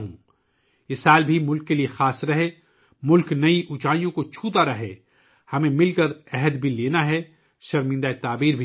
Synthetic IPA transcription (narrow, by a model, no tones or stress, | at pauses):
ɦũː | ɪsaːlbʱimʊlkːeliexaːsɾɐɦe | mʊlknɐiʔut͡ʃaːjõkot͡ʃʰuːt̪aɾɐɦḛ | hɐmẽmɪlkɐɾɛɦəd̪bʱileːnaɦɛ | ʃɐɾmɪ̃nd̪aet̪aːbiːɾbʱi